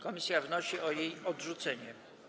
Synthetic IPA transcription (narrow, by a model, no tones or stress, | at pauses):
kɔmʲisʲjavnɔɕiʔɔjejɔdʐut̪sɛɲɛ